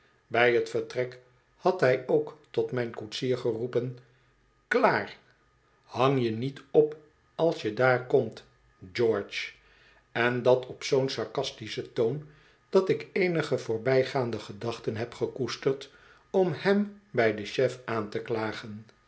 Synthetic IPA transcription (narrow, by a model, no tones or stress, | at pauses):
bɛjɦətfəɹtrɛk | hɑtɦɛjowktɔtmɛjnkutsiːɹχərupən | klaːr | hɑŋjənitɔp | ɑlˠsjədaːɹkɔmt | d͡ʒɔɹt͡ʃ | ɛndɑtʰɔpsownsɑɹkɑstisətown | d̥ɑtɪkejnəχəvʊːɹbɛjχaːndəχədɑχtənɦɛpχəkustərt | ɔmhɛmbɛjdəʃɛfʔaːntəklaːχən